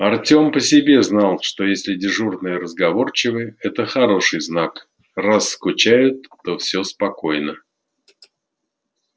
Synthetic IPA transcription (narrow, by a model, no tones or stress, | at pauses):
ɐrtʲo̞mpəsʲɪbʲe̞znalˠʂt̪o̞jesʲlʲɪdʲɪʐurnɨjəɾəzɡɐvo̞rt͡ɕɪvɨɛt̪əxɐɾo̞ʂɨjznak | rasːkʊt͡ɕæjʊt̪ːo̞fsʲospɐko̞jnə